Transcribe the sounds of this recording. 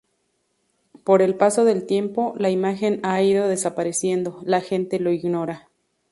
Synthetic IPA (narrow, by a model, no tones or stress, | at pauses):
po̞ɾe̞lpaso̞ðe̞lt̪je̞mpo̞laimaxe̞naiðo̞ðe̞sapaɾesje̞nd̪o̞laxe̞nt̪e̞lo̞iɣno̞ɾa